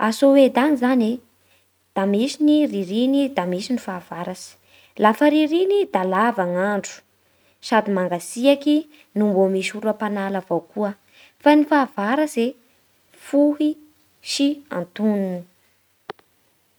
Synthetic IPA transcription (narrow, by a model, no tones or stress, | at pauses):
asowed̪anizane | d̪̥amisiniriɾinid̪amisinifaːv̥aɾasi̥ | lafəɾiɾinid̪alavaŋaɳɖ͡ʐu̥ | sad̪imaŋɡasiaki | numbomisuɾapanalavawkuə | fanifavaɾase | fuɦi | ʃia̰nt̪ununi